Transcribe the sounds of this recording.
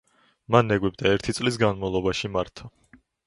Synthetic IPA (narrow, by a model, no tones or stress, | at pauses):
manːɛɡwɛb̚d̪aɛɾt̪ʰit̪sʼlis̬ɡanmavlˠɔbaʃimaɾt̪ʰa